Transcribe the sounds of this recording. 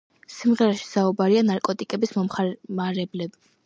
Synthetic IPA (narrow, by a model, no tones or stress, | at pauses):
simʁɛɾaʃi̥saubaɾianaɾkʼɔt̪ʼikʼɛbismɔmχmaɾɛblɛbi